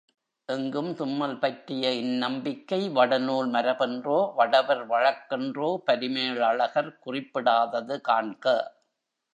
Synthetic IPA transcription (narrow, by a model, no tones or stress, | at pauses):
ʔɛŋɡɯmt̪ʊmːɐlpɐʈrɪjɐɪnːɐmbɪkːɐɪʋɐɽɐnuːlmɐɾɐpɛndroːʋɐɽɐʋɐɾʋɐɻɐkːɛndroːpɐɾɪmeːɭɐɭɐɣɐɾkʊrɪpːɪɽaːðɐðɯkaːɳkɐ